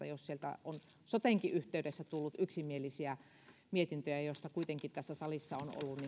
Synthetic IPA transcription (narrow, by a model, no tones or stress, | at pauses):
ɑ̰jossielt̪æ̰on | sot̪eŋkiʔyht̪eydesːæt̪ulːut̪ʔyksimielisiæ | miet̪int̪øjæjoˑst̪ɑkuit̪eŋkit̪t̪æsːæsɑlisːɑono̰lːunni